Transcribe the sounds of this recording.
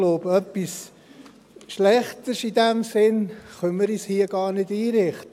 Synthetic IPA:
loːbœpːis | ʃlɛχtəʃidɛmsɪnχœnməɾishiəɡ̥ɑːɾnɪdiːɾɪχtə

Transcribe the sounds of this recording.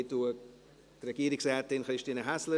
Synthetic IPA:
tuə | tɾɛɡiːəɾɪksrɛːtɪnχɾɪʃtiːnəɦaslə

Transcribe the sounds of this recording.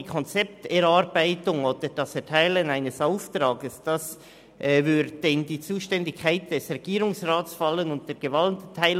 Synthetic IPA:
kʰɔnt͡sɛp̚tɛɾaɾbaɪtʊŋoːd̥əɾd̥ɑsɛtʰaɪlənaɪnəsaʊftɾaːɡəsd̥ɑs | ʔvʏdd̥ɛndiːt͡suːʃtɛndɪkʰːaɪt̚d̥ɛsʁeɡ̥iːɾʊŋsraːtsfɑlənʊnt̚d̥eːɾɡ̥əvɑltʰːaɪl

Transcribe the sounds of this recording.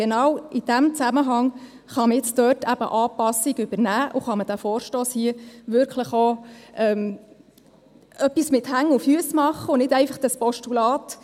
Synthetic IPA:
ɡ̥enɑwid̥æmt͡sæməɦɑŋ | χɑməjɪt͡sdœːtʰæb̥ə̰ʔɑːpɑsiɡʉbəɾnæːʔʊχɑməd̥æfɔːɾʃtoːshiəʋʏɾkʰləχoʔɛm | ʔœpːismɪthæŋːʊfyəsmɑχːəʊnɪdɛɪfɑχd̥ɑspɔʃtulɑːt

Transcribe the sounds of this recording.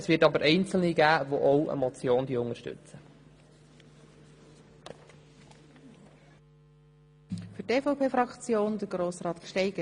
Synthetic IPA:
əsʋɪːtɑbəɾʔɛɪnt͡sl̩niɡæːvoʔowʔə̰mɔt͡sjoːnd̥iəʊŋəʃtʏ̰t͡sə | fyteːfoʊpʰeːfɾɑkt͡sjoːndəɾɡ̥ɾoːsrɑːt̪kʃtɛɪɡ̥ə

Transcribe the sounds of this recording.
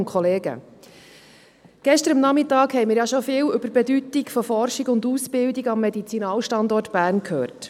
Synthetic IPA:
nkχɔleːɡə̰ | ɡ̥ɛʃtəɾəmnɑmɪtɑːkhɛjmɪːɾjɑʃɔfɪːwʏbəɾbɛdytiɡfɔfɔrʃiɡʊnduspɪldiɡɑmːɛdit͡sinɑːlʃtɑndɔrtb̥æːrnkʰhøːrt

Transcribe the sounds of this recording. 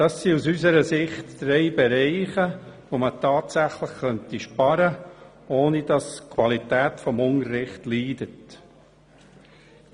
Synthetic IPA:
d̥ɑsːiusysəɾəsɪχtd̥ɾɛɪbɛɾɛɪχəʋomətɑːtsæχləχkœntiʃpɑɾə | oːnid̥ɑskʰwɑlitæːtfɔmʊŋəɾɪχtliːdət

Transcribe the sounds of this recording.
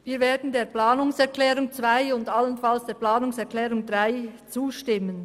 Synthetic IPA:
viːɐɾveːɐdn̩deːɐplaːnʊŋsɛʁklɛːʁʊŋt͡svaɪʊndalənfalsd̥eːplaːnʊŋsɛʁkʰlɛːʁʊŋdʁaɪt͡suːʃtɪmən

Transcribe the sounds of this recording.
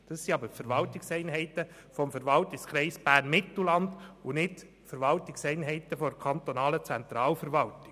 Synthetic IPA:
d̥ɑsːiɑbəɾfəɾʋɑltɪksɛɪnɦɛɪt̪ə | fɔmfəɾʋɑltɪkskʰɾɛɪsb̥æːɾnmɪt̪l̩lɑnd̪ʊnɪt | fəɾʋɑltɪksɛɪnɦɛɪt̪əfɔdkʰɑnt̪ɔnɑːlət͡sɛnt̪ɾɑːlfəɾʋɑltɪ̥

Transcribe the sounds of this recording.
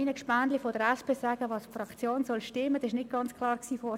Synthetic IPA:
inəkʃpandlifɔd̥əɾɛspeːsɑːɡ̥əʋɑːsfrɑkt͡sjoːnsɔlʃtɪmːəd̥ɑsɪʃnɪd̚ɡ̥ɑnt͡skʰlɑːɾksiːfɔ

